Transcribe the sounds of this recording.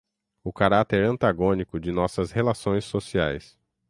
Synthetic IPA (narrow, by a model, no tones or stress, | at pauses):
ʊkaɾat̪eɾɐ̃nt̪aɡõnikʊd͡ʒɪnɔsɐshelasõj̃sːosia̰js